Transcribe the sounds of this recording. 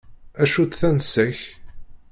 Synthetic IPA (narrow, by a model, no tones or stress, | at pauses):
æʃut̪θænsæç